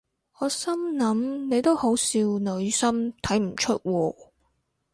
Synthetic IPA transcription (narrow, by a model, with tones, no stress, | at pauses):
ɔː˨˧sɐ˥mnɐ˨˥mne˨˧jt̪o˥who˨˥wsiː˧wnɵ˨˧ɥsɐ˥mt̪ʰɐ˨˥jm̩˨˩t͡ʃʰɵ˥t̚wɔː˧